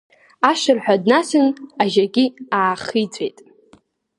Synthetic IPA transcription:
aʃɨrħʷᶣadnasɨnaʒaɡʲiaːχit͡sʷʰʼe̞̰jtʼ

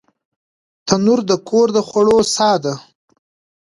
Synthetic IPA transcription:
t̪ʰanuɾd̪əkʰoɾd̪əxwaɽosɑːd̪a

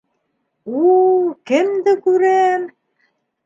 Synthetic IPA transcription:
ukɘ̆md̪ɘkʉɾæm

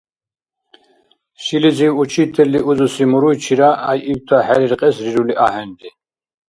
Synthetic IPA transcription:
ʃilid͡ziwut͡ʃʰit̪ʰɛliʔuzusimuɾujt͡ʃʰiɾaʔajʔiwt̪ʰaħɛɾiɾqʼɛsɾiɾuliʔahɛnd̪i

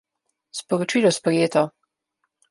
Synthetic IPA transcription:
spɔɾot͡ʃilɔspɾɛjeːt̪ɔ

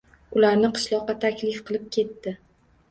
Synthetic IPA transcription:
ʊlaɾnɪqʰɨ̥ʃlˠɒqːɑt̪ʰakʲlɪfqɨlˠɪp̚kʲʰe̞t̪ːɪ

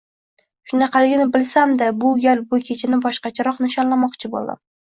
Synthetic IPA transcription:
ʃʊnaqʰɑlɪɡʲɪnɪbɪlsamd̪abʊɡʲaɾbʊkʲʰet͡ʃʰɪnɪbɒʃqɑt͡ʃʰaɾɒqnɪʃɒnlamɒqt͡ʃʰɪbo̰lˠd̪a̰m

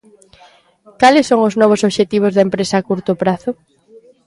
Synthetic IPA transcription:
kalɪsːoŋʊznɔβ̞ʊsoβʃet̪iβ̞ʊzðaempɾesaːkuɾt̪ʊpɾaθʊ

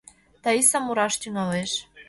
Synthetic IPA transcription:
t̪ɑisɑmuɾɑʃt̪ʲyŋɑleʃ

